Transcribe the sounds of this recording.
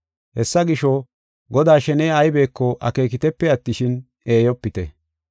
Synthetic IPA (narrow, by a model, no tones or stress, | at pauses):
hɛsːɐɡɪʃɔ | ɡɔd̪aːʃɛneːɐjbe̞ːkːɔʔɐ̰ke̞ːkɪt̪ɛpːɛɐt̪ːɪʃɪn | eːjɔpːɪt̪ɛ̰